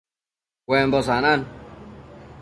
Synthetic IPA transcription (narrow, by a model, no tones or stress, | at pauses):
wɛmbɔs̬anan